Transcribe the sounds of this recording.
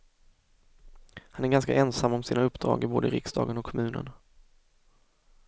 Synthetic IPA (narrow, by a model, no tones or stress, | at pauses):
hanæɾɡanskaʔɛnsamːɔmsiːnaɵpːd̪ɾɑ̰ːɡəboːd̪əɾɪ̰ksd̪ɑ̰ːɡənɔkʰːɔmʉ̟ːnən